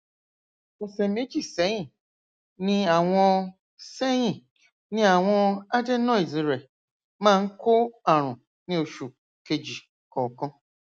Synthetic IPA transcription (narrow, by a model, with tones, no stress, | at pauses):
e˨se˨me˦t͡ʃi˨se˨˦ɲĩ˦˨ | nɪ̃˦a˨ŋʷɔ˦ | se˦ɲĩ˨ | nɪ̃˦a˨ŋʷɔ˦a˦de˦nɔ˦i˨zi˨ɾe˨ | mã˦˨ŋ̩˦kʊ˦a˨ɾ̃ʊ̃˨ | nĩ˦o˨ʃu˨ | ke˨d͡ʒi˨ | kɔ˨kɔ˦